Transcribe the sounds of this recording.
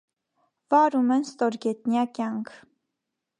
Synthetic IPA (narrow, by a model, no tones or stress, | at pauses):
vɑɾumɛnst̪ɔɾɡɛt̪njɑkjɑŋkʰ